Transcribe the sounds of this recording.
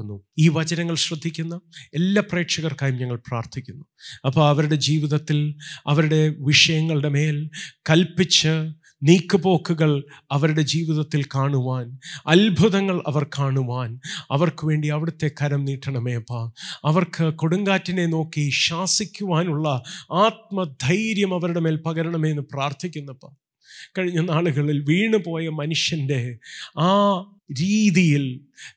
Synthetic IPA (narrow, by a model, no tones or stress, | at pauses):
nːuiːʋɐd͡ʑɐnɐŋːɐɭɕrɐd̪ʱːikʲːunːɐelːaːpre̞ːʈʂɐɣɐrkaːjumɲɐŋːɐɭpraːrt̪ʰikʲːunːu | ɐpːoɐʋɐɾuɽe̞d͡ʑiːʋiðɐt̪ːilɐʋɐɾuɽe̞ʋiʂɐjɐŋːɐɭiɽe̞me̞ːlkɐlpit͡ɕːɨ | niːkːubo̞ːkːuɣɐɭɐʋɐɾuɽe̞d͡ʑiːʋiðɐt̪ːilkaːɳuʋaːnɐlbʱuðɐŋːɐɭʔɐ̰ʋɐrkʰaːɳuʋaːnɐʋɐrkɨʋe̞ːɳɖiɐʋiɽɐt̪ːe̞kʰɐɾɐmniːʈːɐɳɐmeːpːɐɐʋɐrkʰɨko̞ɽuŋɡaːtːine̞no̞ːkːiɕaːsikʲːuʋaːnuɭːɐaːt̪̚mɐd̪ʱɐjɾjɐmɐʋɐɾuɽe̞me̞ːlpɐɣɐɾɐɳɐmenːɨpraːrt̪ʰikʲːunːɐpːɐ | kɐɻiɲːɐnːaːɭuɣɐɭilʋiːɳɨpo̞ːjɐmɐnuʂjɐnde̞aː | ɾiːðijil